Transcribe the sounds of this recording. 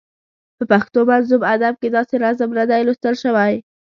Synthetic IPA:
pəpaxt̪omanzubad̪ab̚ked̪ɑseɾazəmnad̪ajlost̪əɾʃəwaj

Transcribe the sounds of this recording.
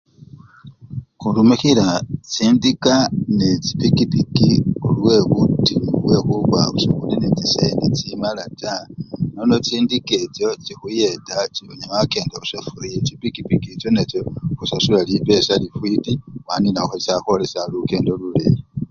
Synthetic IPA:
xulumixilat͡siːndikanet͡si̥pikipikiolwe̞βutiuwe̞xuβaβusokulinet͡sisendit͡simalatanono̞t͡siːndike̞t͡ʃo̞t͡ʃixujetat͡ʃiβoɲamake̞ːndousafuɾiet͡ʃipikipikit͡ʃone̞t͡ʃoxusasulalipe̞salifwitiwaninaxoisaxo̞lesaluke̞ːndolulḛe

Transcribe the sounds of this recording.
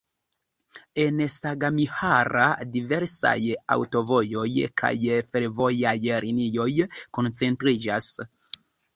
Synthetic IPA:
e̞nsaɡamihaɾadive̞ɾsa̰ja̰wto̞vo̞jo̞jkʰa̰jfeɾvo̞jajɾʔinijo̞jko̞nt͡se̞ntɾid͡ʒas

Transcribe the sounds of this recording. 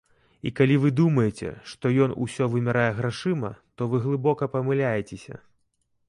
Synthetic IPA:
ḭkalʲivɨd̪umɐjɛt͡sʲɛ̰ʂt̪ɔjɔnṵsʲɔvɨmʲaɾajɛɣɾaʂɨmɐt̪ɔvɨɣlˠɨbɔkɐpɐmɨlʲajɛt͡sʲesʲɐ̰

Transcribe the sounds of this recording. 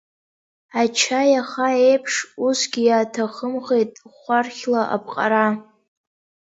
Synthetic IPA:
at͡ʃʰajaχaejpʰʂusɡʲijaːtʰaχəmʁe̞jtʼχʷarχʲlaʔa̰p̚ʰʼqʼa̰ɾa

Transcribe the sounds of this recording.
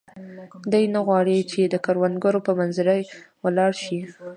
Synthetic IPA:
d̪əjnaɣwɑɽit͡ʃed̪əkaɾwand̪ɡaɾopəmanzɪɾəjwəlɑɽʃi

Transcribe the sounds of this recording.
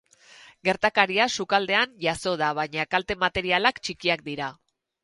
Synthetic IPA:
ɡe̞ɾt̪akaɾiasukald̪e̞anʝaso̞ð̞aβaɲakalt̪e̞mat̪e̞ɾialakt͡ʃikiak̚d̪iɾa

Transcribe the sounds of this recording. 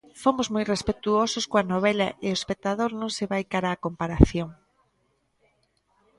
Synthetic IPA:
fomʊzmojrespet̪uosʊskoanoβ̞ɛlɐ̰ʔeoespek̚t̪aðoɾnõŋseβajkaɾaːkompaɾaθjoŋ

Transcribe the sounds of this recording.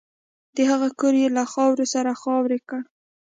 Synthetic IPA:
d̪̥əhaɣakəɾjelaxɑwɾesaɾaxɑwɾekəɽ

